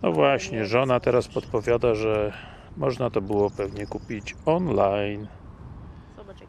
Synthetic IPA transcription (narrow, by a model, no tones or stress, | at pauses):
nɔ̰vwaɕɲɛʐɔnat̪ɛɾaspɔt̪pɔvʲjad̪aʐɛ | mɔʐnat̪ɔbɘwɔpɛvɲɛkupʲit͡ɕɔnlajn